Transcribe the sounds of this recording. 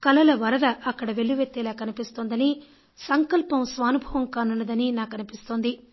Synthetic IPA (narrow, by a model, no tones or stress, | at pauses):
kɐlɐlɐʋɐɾɐd̪ɐʔɐkːɐɽɐʋe̞ɭːuʋet̪ːɛːlaːkɐnipist̪oːnd̪ɐni | sɐŋkɐlpɐmsʋaːnubʱɐʋɐmkaːnunːɐd̪ɐninaːkɐnipist̪oːnd̪i